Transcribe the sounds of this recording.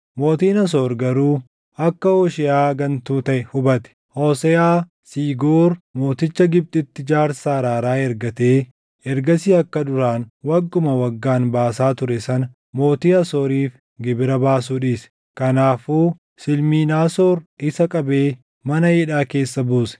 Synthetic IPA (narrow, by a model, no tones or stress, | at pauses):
mo̞ːt̪iːnɐs̬oːɾɡɐɾuː | ɐkːɐoːʃɪjaːɡɐnt̪uːt̪ɐʔɛhʊbɐt̪ɛ̥hoːsɛjaː | siːɡoːɾmo̞ːt̪ɪt͡ʃːɐɡɪb̚t̪ʼɪt̪ːɪd͡ʒaːɾsaːɾaːɾaːɛɾɡɐt̪eː | ɛɾɡɐsiːɐkːɐd̪ʊɾaːnwɐɡːʊmɐwɐɡːaːnbaːsaːt̪ʊɾɛsɐnɐ | mo̞ːt̪iːɐsoːɾiːf | ɡɪbɪɾɐbaːs̬uːᶑiːs | kɐnaːfuː | sɪlmiːnaːsoːɾɪsɐkʼɐbeː | mɐnɐjɪᶑaːke̞ːsːɐbuːsɛ̥